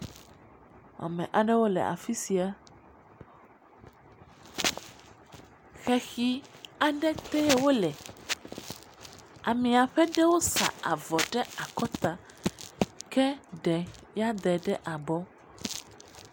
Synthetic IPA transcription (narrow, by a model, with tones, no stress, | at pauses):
a̰˨mɛ̰̃˨ʔa˨ɖɛ˦wo˦lɛ̰˨ʔa̰˨fi˦si˨a˦ | xɛ˨xi˨a˨ɖɛ˦t̪ɛ˦wo˦lɛ˨ | a˨mĩ˨a˨ɸɛ˦ɖɛ˦wo˦sa̰˨a̰˨vɔ˨ɖɛ˦a˨kɔ˦t̪a˨ | kɛ˦ɖɛ˨ | ja˦d̪ɛ˨ɖɛ˦ʔa˨bɔ˦